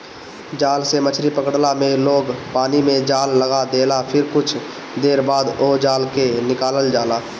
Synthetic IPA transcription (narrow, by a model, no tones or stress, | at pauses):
d͡ʒaːlsemət͡ʃʰɾipəkɽlameloːɡpaːnimẽd͡ʒaːlːəɡad̪eːlapʰɪɾkʊt͡ʃʰ | d̪eːɾbaːd̪od͡ʒaːlkenɪkaːləld͡ʒaːla